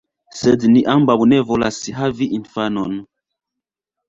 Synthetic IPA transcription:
sɛdniʔambawunɛvolasiɦaviʔinfanɔn

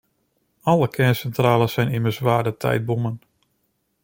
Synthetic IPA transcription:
ɔlˠəkʰɛnsɛntraːləsɛjnɪmərsʋaːdətʰɛ̰jt̚bumən

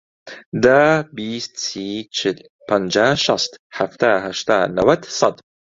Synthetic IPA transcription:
d̪abist̪sit͡ʃʰɪl | pand͡ʒaʃast̪haft̪ahaʃt̪anawad̪sad̪

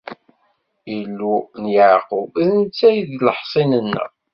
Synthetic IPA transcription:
ilːunjaʕqʊvðənt͡sːæjðləħsˤɪnənːə̰

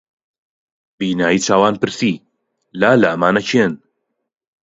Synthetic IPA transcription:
biːnaːjit͡ʃaːwaːnpɨɾsiː | laːlɐmaːnɐt͡ʃʰen

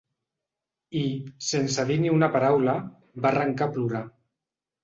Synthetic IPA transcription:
isensaðiniunapaɾawla | baraŋkapluɾa

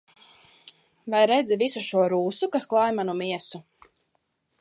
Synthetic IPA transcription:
vajɾɛd̪zivisuʃuɔɾuːsukasklˠajmanumiɛsu

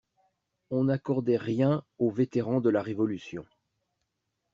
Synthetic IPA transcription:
ɔ̃nakɔʁd̪ɛʁjɛ̃ovet̪eʁɑ̃d̪əlaʁevɔlysjɔ̰̃

